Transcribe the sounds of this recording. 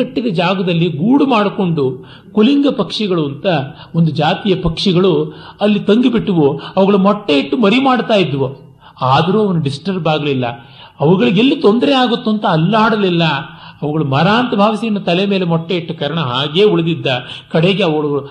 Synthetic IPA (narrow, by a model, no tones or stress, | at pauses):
ɐʈːid̪ɐd͡ʒaːɡɐd̪ɐlːiɡuːɽumaːɽko̞ɳɖu | kuliŋɡɐpɐkʂiɡɐɭuɐnt̪ɐ | ond̪ud͡ʒaːt̪ijɐpɐkʂiɡɐɭuɐlːit̪ɐŋɡibiʈːuʋuɐʋɐɡɐɭumɔʈːeiʈːumɐɾimaːɽt̪aːjid̪ʋu | aːd̪ɐɾuːɐʋɐnːuɖisʈɐɾbaːɡɐlilːɐ | ɐʋɐɡɐɭuelːit̪ond̪ɐɾeaːɡut̪ːuɐnt̪ɐːlːaːɽɐlilːɐɐʋɐɡɐɭumɐɾaːnt̪ɐbʱaːʋisinɐt̪ɐleme̞ːlemɔʈːeiʈːukɐɾɐɳɐɦaːɡe̞ːuɭɐd̪id̪ːɐkɐɽeɡe̞ɐʋɐɡɐɭɡɐɭu